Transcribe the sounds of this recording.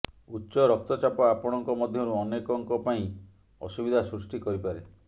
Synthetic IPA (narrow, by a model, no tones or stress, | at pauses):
utːʃɔɾɔk̚t̪ɔt͡ʃapɔapɔɽ̃ɔŋkɔmɔd̪ʱjɔɾuɔnekɔŋkɔpaĩ | ɔ̰subid̪ʱasɾusʈikɔɾipaɾe